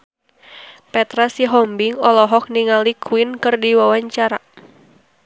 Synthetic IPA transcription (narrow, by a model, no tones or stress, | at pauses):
pɛt̪ɾasiɦɔmbiŋɔlɔɦɔk̚niŋalikʰuwɪnkɨrdiwawaɲt͡ʃaɾa